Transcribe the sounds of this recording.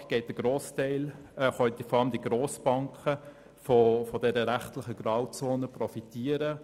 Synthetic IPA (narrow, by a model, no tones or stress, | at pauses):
ɡ̥ɛɪt̚d̥əɡ̥ɾoːstɛɪlχœʏt̪ifɔɾɑləmd̥̪iɡɾoːsb̥ɑŋkχə | fofɔdɛɾəɾæχtlɪχəɡ̥ɾɑʊt͡soːnəprɔfitiəɾə